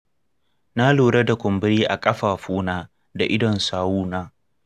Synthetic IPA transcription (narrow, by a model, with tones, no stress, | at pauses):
na˦luː˨ɽɐ˦da˨kʷʊ˨mbɪ˦ɾiː˦ʔa˨kʼɐ˦ɸaː˨ɸuː˦naː˦ | da˨ʔɪ˦dɔ˨nsaː˦wuː˦naː˦